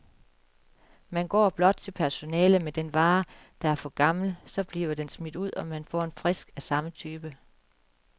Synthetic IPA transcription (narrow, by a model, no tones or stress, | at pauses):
mænɡ̥ɒ̰ːb̥lɒ̽d̥̚t͡sʰe̝lpʰæɐso̝nɛːləmed̥enʋɑ̈ː | d̥ɑ̈æɐfɒ̽ɡ̥ɑ̈ml̩sɒ̽b̥liːʊɐd̥ensmid̥uð̰ˠɒ̽mænfɒ̰ːe̝nfʁɛsɡ̥æsɑ̈mət͡sʰyːb̥ə